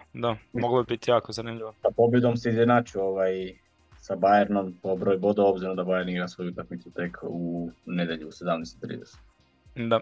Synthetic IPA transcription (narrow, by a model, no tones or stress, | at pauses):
d̪amoɡlˠabibit̪ijaːkozanimʎiʋosapo̞bjed̪omseizjenaːt͡ʃioʋaj | sabajeɾnompobɾojbo̞d̪oo̞bziɾomd̪abajeɾniɡɾasʋo̞juut̪akmit̪sut̪e̞kʰune̞d̪je̞ʎuuse̞d̪amnɛjst̪i̥t̪ɾḭd̪ese̥t̪ | d̪a